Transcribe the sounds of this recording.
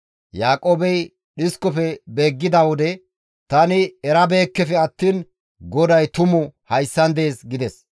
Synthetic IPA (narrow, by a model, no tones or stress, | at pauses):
jaːkʼoːbɛj | ɗɪskɔfɛbe̞ːɡːɪd̪ɐwɔd̪ɛ | t̪ɐnɪɛɾɐbe̞ːkːɛfɛɐt̪ːiːn | ɡɔd̪ɐjt̪ʊmʊhɐjsːɐnd̪e̞ːsɡɪd̪ɛs